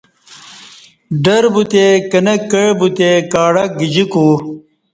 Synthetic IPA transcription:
ɖɐɾbut̪ekɐnɐkːɐɻbut̪ekaːɽɐɡid͡ʑiku

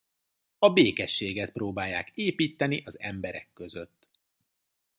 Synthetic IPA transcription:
ɒbeːkɛʃːeːɡɛt̪̚proːbaːjːaːkeːpiːt̪ːɛniʔɒzɛ̰mbɛɾɛ̰kːøzøt̪ː

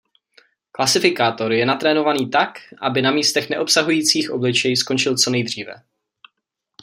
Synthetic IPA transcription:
klasɪfɪkaːt̪o̞ɾjɛnat̪ɾɛːnovaniːt̪akʔa̰bɪnamiːst̪ɛxnɛ̰ʔo̞psaɦujiːt͡siːxʔoblɪt͡ʃɛjsko̞nt͡ʃɪlt͡so̞nɛjd̪r̝iːvɛ̰

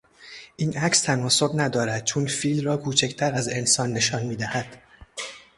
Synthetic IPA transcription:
ʔiːnʔæcst̪ʰænɒːso̞bnæd̪ɒːɾæd̪̥̚t͡ʃʰonfiːlrɒːkʰuːt͡ʃʰecʰt̪ʰæɾæze̞nsɒːnːe̞ʃɒːnmiːd̪æhæd̪̥

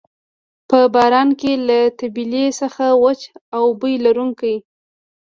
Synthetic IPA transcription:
pəbɑɾɑnkelat̪abilesəxawat͡ʃawbəjlaɾuŋkaj

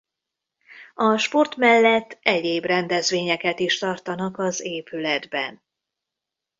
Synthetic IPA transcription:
ɒʃpo̞rt̪mɛlːɛt̪ːɛɟeːbrɛnd̪ɛzʋeːɲɛkɛt̪iʃt̪ɒrt̪ɒnɒkɒzeːpylɛd̪bɛ̰n

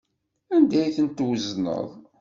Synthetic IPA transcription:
ænd̪æjθənt̪wəznə̰ðˤ

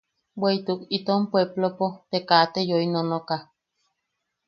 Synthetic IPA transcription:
weit̪ukit̪ompweblopot̪ekat̪ejoinonoka

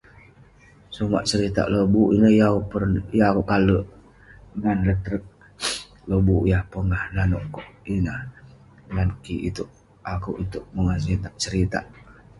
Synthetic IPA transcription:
suma̰ʔt͡ʃəɾit̪a̰ʔlobuʔinəhjaupənjakuʔkaləʔ | ŋanlət̪ɾək̚ | lobujahpəŋahlanɔ̰ʔkoʔinah | ŋankiḭt̪uʔ | akuʔit̪uʔməŋasit̪aʔt͡ʃəɾit̪a̰ʔ

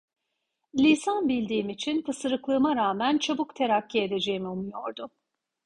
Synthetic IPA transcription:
lʲisanbilʲd̪iːmit͡ʃʰinpʰɯsɯɾɯklˠɯːmaɾaːmænt͡ʃʰabukt̪ʰe̞ɾacːie̞d̪e̞d͡ʒe̞jimiumujo̞ɾd̪ʊ

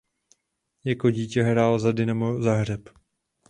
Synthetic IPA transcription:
jakoɟiːcɛɦɾaːlzadɪnamozaɦr̝ɛp

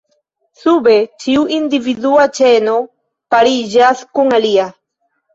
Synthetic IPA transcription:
subet͡ʃiwind̪iviðuat͡ʃeno | paɾiʒaskuŋalia

